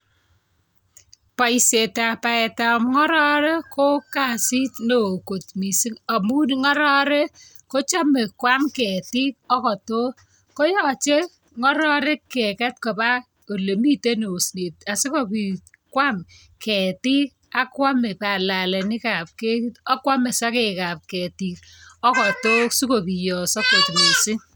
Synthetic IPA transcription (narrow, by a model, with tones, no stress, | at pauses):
pa˨i˨se˨ta˨pa˨ɛ˨ta˨mŋɔ˦ɾɔ˦ɾe˦kʰo˦ka˨si˦tno˨ko˨tmi˨si˦a˨mu˦nŋɔ˦ɾɔ˦ɾe˦ | ko˦t͡ʃa˦me˨kwa˦mkɛ˨ti˦k̚ɔ˦kɔ˨to˦ | ko˦jɔ˨t͡ʃe˦ | ŋɔ˦ɾɔ˦ɾɛ˦kɛ˨kɛ˦t̚ko˨ba˦ | o˨le˨mi˦te˦no˨sne˨t̚a˨si˦ko˦pi˨ | kwa˦m | kɛ˨ti˦k | a˦kwa˦me˨pa˨la˨lɛ˨nɪ˦ka˨p̚ke˦ɔ˦kwa˦me˨sa˦ke˨ka˨p̚kɛ˨ti˨k̚ | ɔ˦kɔ˨to˦su˦ko˨pi˨jɔ˨sɔ˦ko˨tmi˨sɪ˦ŋ